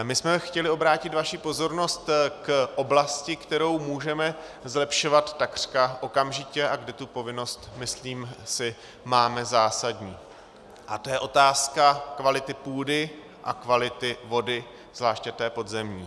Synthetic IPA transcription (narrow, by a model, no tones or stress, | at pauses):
mɪsmɛxcɛlɪo̞bɾaːcɪt̪vaʃipo̞zo̞ɾno̞st̪kʔo̞blascɪkt̪ɛɾo̞wmuːʒɛmɛ | zlɛpʃovat̪ːakr̝̥kaʔo̞kamʒɪcɛʔaɡdɛt̪upo̞vɪno̞st̪mɪsliːmsɪ | maːmɛzaːsadɲiː | ʔat̪ojɛʔo̞t̪aːskakvalɪt̪ɪpuːdɪ | ʔa̰kvalɪt̪ɪvo̞dɪ | z̥laːʃcɛt̪ɛːpo̞dzɛmɲḭː